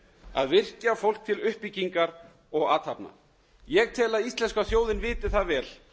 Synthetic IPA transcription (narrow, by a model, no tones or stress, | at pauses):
a̰ðvɪr̥cafowl̥k̚t̪ʰɪlʏhpiciŋkaɾ | ɔɣaːt̪ʰhapna̰ | jɛɣt̪ʰɛːlaðist̪lɛnskaθjoːwðɪnvɪːt̪ɪθaðvɛːl